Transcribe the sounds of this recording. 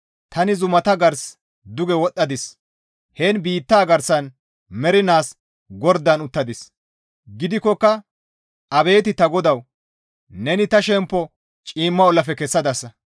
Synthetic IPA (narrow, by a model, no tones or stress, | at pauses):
t̪ɐnɪzʊmɐt̪ɐɡɐɾs | d̪ʊɡɛwɔt̪ʼːɐd̪ɪs | hɛːnbiːt̪ːaːɡɐɾsɐn | mɛɾɪnaːs | ɡɔɾd̪ɐnʊt̪ːɐd̪ɪs | ɡɪd̪ɪkːɔkːɐ | ɐbe̞ːt̪ɪt̪ɐɡɔd̪ɐw | nɛnɪt̪ɐʃɛmpːɔ | t͡ʃʼiːmːɐɔlːɐfɛkɛsːɐd̪ɐsːɐ